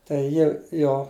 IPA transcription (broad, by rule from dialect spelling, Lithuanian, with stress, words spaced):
tɐɪ ˈjɪ ˈjoː